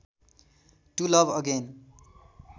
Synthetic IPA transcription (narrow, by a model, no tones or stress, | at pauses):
ʈulʌvəɡẽn